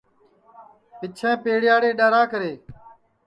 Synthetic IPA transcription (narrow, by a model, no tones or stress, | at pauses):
pɪt͡ʃʰɛ̃ːpeːɽɪjaːɽeːɗaːɾaːkəɾeː